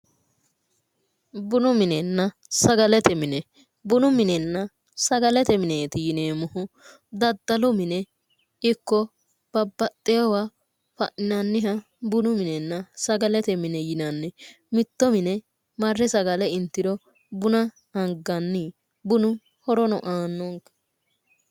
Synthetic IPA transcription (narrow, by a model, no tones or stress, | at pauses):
bʊnʊmɪnɛnːɐ | sɐɡɐlɛt̪ɛmɪnɛ | bʊnʊmɪnɛnːɐ | sɐɡɐlɛt̪ɛmɪneːt̪ɪjɪneːmʊhʊ | d̪ɐd̪ːɐlɔmɪnɛ | ɪkːɔ | b̥ɐbːɐt̪ʼːɛjɐwa | fɐʔɪnɐnːɪɦɐ | bʊnʊmɪnɛnːɐsɐɡɐlɛt̪ɛmɪnɛjɪnɐnːɛ | mɪt̪ːɔmɪnɛ | mɐrːɛsɐɡɐlɛɪnt̪ːɪd̪ɔ | bʊnɐ | hɐŋɡɐnːi | bʊnʊ | hɔɾɔnɔ̰ʔaːnːɔŋkɐ̥